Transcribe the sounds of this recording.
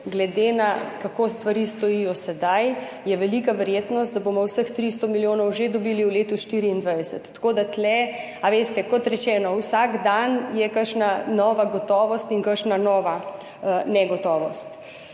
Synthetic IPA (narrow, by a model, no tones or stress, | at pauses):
ɡlɛd̪enakakoːst̪ʋaɾist̪ɔijɔsɛd̪aj | jɛʋɛliːkaʋɛɾjeːt̪nɔst̪̚d̪abomɔwsəxt̪ɾist̪ɔmiljoːnɔwʒed̪ɔbiːliwleːt̪uʃt̪iːɾiːnd̪ʋajd̪ɛsə̰t̪ːkod̪at̪lɛ | aʋeːst̪ɛkɔt̪ɾɛt͡ʃɛːnɔwsaɡd̪anjɛkəɾʃnanɔːʋaɡɔt̪ɔːʋɔst̪iŋkəkʃnanɔːʋa | nɛɡɔt̪ɔːʋɔst̪